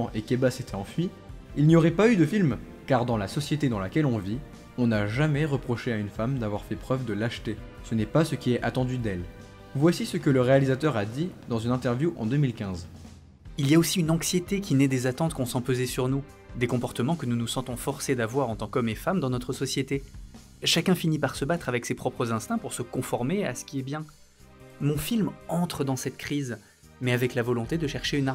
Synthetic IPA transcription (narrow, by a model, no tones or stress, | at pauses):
ʔekebaset̪ɛɑ̃fɥi | ilnijoʁɛpayd̪əfilm | kaʁd̪ɑ̃lasɔsjet̪ed̪ɑ̃lakʲɛlɔ̃vi | ɔ̃naʒamɛʁəpχɔʃeaynfamd̪avwaʁfɛpχœvd̪əlaʃt̪esənɛpasəkʲiɛʔat̪ɑ̃d̪yd̪ɛl | vwasisəkələʁealizat̪œʁad̪id̪ɑ̃zynɛ̃t̪ɛʁvjuʔɑ̰̃d̪ømilkʲɛ̃z | iljaosiynɑ̃ksjet̪ekʲinɛd̪ezat̪ɑ̃t̪kɔ̃sɑ̃pøzesyʁnu | d̪ekɔ̃pɔʁt̪əmɑ̃kənunusɑ̃t̪ɔ̃fɔʁsed̪avwaʁɑ̃t̪ɑ̃kɔmefamd̪ɑ̃nɔt̪χəsɔsjet̪e | ʃakʲɛ̃finipaʁsəbat̪χavɛksepχɔpχəzɛ̃st̪ɛ̃puʁsəkɔ̃fɔʁmea̰sə̥kʲiɛbjɛ̃ | mɔ̃filmɑ̃t̪χəd̪ɑ̃sɛt̪kχiz | mɛavɛklavɔlɔ̃t̪ed̪əʃɛʁʃeyna